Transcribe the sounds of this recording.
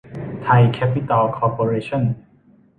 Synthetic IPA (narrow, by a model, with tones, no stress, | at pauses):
t̪ʰa˧jkʰɛ˦˥pi˥t̪a˧lkʰɔː˧po˧ɾeː˧t͡ɕʰɔ˥˨n